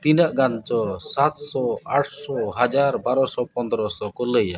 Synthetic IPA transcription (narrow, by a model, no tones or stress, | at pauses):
t̪inəʔɡant͡ʃɔsat̪sɔaʈʰsɔɦad͡ʒaɾbaɾɔsɔpɔnd̪ɾɔsɔkɔləja